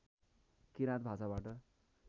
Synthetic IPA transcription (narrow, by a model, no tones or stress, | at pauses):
kiɾat̪̚bʱasabaʈʌ